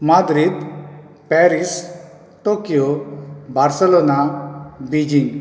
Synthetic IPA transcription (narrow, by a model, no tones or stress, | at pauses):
mad̪ɾid̪ | pɛɾis | ʈokijobʱaɾsɛlonabid͡ʒiŋ